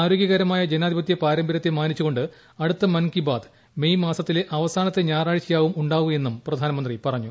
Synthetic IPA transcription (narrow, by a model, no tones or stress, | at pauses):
aːɾo̞ːɡjɐɣɐɾɐmaːjɐd͡ʑenaːd̪ʱibɐt̪̬ːjɐpaːɾɐmbɐɾɐt̪ːemaːnit͡ɕːuɣo̞ɳɖɨ | ɐɽut̪ːɐmɐnkibaːd̪ | me̞jmaːsɐt̪ːileʔɐʋɐsaːnɐt̪ːe̞ɲaːraːɻt͡ɕijaːʋumuɳɖaːɣue̞nːumprɐd̪ʱaːnɐmɐnd̪ripɐrɐɲːu